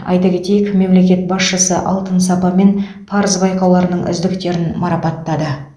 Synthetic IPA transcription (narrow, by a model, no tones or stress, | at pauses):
ɑ̰jt̪ɑkʲe̞t̪e̞jɪkʲme̞mle̞kʲe̞t̪̚bɑsʃəsə̰ʔɑlˠt̪ənsɑpɑme̞n | pʰɑɾəzbɑjqɑwlˠɑɾənəɴʔʏ̰zd̪ɪkt̪e̞ɾɪnmɑɾɑpɑt̪ːɑd̪ə